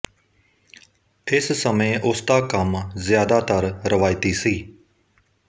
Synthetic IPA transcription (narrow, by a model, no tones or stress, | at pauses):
ɪssəmẽːʔʊsd̪aːkəmzɪjaːd̪aːt̪əɾɾəʋaːjɪt̪iːsiː